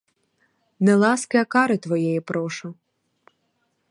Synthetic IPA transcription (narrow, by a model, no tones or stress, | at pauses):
nɛlˠɑskɪjɐkɑɾɪt̪ʋɔjɛjɛpɾɔʃʊ